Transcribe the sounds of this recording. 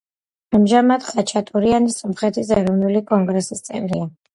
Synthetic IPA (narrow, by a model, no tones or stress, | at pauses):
amʒamad̪χat͡ʃʰat̪ʼuɾianisɔmχɛt̪ʰis̬ɛɾɔvnulikʼɔŋɡɾɛsist̪sʼɛvlia